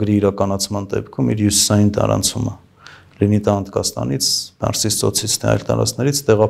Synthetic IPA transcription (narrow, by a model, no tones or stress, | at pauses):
ɡɾiːɾɑkɑnɑt͡sʰmɑnd̪ɛ̰pkʰumiɾjusi̥sɑjint̪ɑ̰ɾɑ̰nt͡sʰumə | linit̪ɑnt̪kɑsnɑ̰nit͡sʰbɑ̰ɾsist͡sɔt͡sʰit͡sʰnɛɑ̰jlt̪ɑ̰ɾɑ̰t͡snɛɾit͡sʰt̪ɛʁɑ